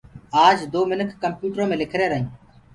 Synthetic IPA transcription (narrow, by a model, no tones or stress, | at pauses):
aːd͡ʒd̪oːmɪnəkʰːəmpjuːʈɾõːmẽːlɪkʰɾeːɾəɦĩː